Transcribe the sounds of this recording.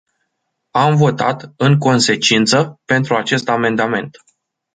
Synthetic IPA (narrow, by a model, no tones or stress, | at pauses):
amvo̞t̪a̰t̪ɨŋko̞nse̞t͡ʃint̪səpe̞nt̪ɾuat͡ʃe̞st̪ame̞nd̪ame̞nt̪